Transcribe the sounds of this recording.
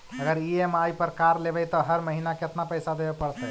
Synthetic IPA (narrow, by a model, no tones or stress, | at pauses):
əɡəɾiemajpəɾkaɾlebɛjt̪ɔɦəɾməɦinaket̪napəjsad̪ebepəɽt̪ɛ